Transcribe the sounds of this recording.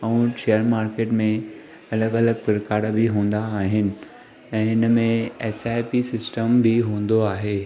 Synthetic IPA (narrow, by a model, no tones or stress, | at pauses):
uũːʃeːjəɾmaːɾkeːʈmẽ | ɐləɡɐləɡ̚pɪɾɪkaːɽbʱiɦũːn̆d̪aːɦɪnɪ̆ | ɛ̃ːɪnəmẽɛːsaːjpisɪsʈəmbʱiɦũːn̆d̪oaːɦeː